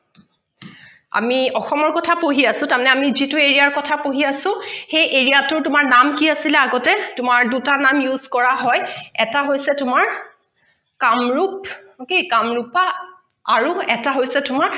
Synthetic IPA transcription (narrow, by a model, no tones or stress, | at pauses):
a̰miɔxɔmɔɹkɔtʰapoɦiasʊ̃tamnɛamizitʊeɹiaɹkɔtʰapoɦiasʊ̃xejʔeɹijatʊɹtʊmaɹnamkiasilɛaɡɔtɛtʊmaɹdutanamjuz̥kɔɹaɦɔjɛtaɦojsɛtʊmaɹ | kamɹup̚ | kikamɹupaː | ɹuɛtaɦojsɛtʊmaɹ